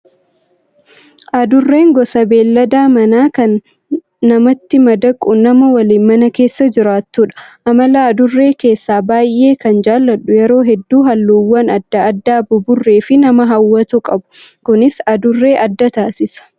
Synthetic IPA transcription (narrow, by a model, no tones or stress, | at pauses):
ʔɐd̪ʊrːe̞ːŋɡɔsɐbe̞ːlːɐd̪aːmɐnaːkɐnː | ɐmɐt̪ːɪmɐd̪ɐkʼːʊnɐmɐwɐliːnmɐnɐke̞ːsːɐd͡ʒɪɾaːt̪ːuːᶑɐ̥ʔɐmɐlaːɐd̪ʊrːe̞ːke̞ːsːaːbaːjʔːe̞ːkɐnd͡ʒaːlːɐᶑʊjɛɾo̞ːɦɛd̪ːuːɦɐlːuːwːɐnɐd̪ːɐːd̪ːaːbʊbʊrːe̞ːfɪnɐmɐɦɐwːɐt̪ukʼɐbʊ̥ | kʊnɪsɐd̪ʊrːe̞ːʔɐd̪ːɐt̪aːsɪsɐ̥